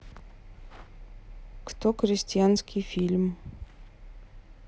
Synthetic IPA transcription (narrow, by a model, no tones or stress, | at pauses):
kt̪ɔxɾʲɪsʲtʲijanskʲifʲilʲm